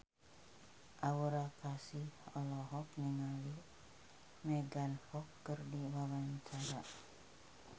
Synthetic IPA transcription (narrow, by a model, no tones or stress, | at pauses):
ʔawuɾakasihɔlɔɦɔk̚niŋali | mɛɡanhɔkːərdiwawaɲt͡ʃaɾa